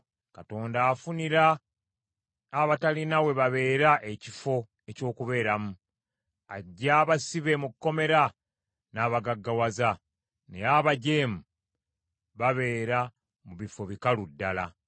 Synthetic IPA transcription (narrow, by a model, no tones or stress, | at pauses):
kato̞ːndaːfuniɾa | βatalinawe̞βaβe̞ːɾaʔecifo̞ | eco̞ːkuβe̞ːɾamu | aɟːaːβasiβe̞mukːo̞me̞ɾa | naːβaɡaɡːawaza | ne̞̰aβaɟe̞ːmu | βaβe̞ːɾa | muβifo̞βikaludːala̰